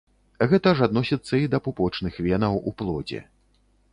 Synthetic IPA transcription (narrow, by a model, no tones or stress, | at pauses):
ɣɛt̪ɐʐad̪nɔsʲit̪sːɐid̪ɐpupɔt͡ʂnɨxvʲɛnɐwuplˠɔd͡zʲɛ̰